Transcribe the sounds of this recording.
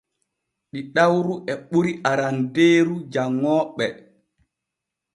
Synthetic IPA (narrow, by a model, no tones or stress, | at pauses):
ɗiɗawɾuʔɛɓuɾiʔaɾandeːɾud͡ʒaŋːɔːɓɛ